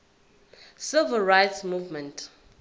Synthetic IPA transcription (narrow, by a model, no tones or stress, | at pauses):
sɪlvəlɹajtsmuvmɛ̃ntʰ